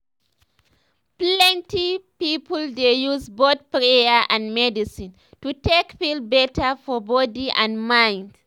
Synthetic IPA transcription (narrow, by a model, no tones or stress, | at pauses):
plɛ̃ntipipɔldejuzboθpɹejəʔãnmɛdisĩn | tutekpilbɛtʰəfɔbɔdiʔãnmãj̃nd̥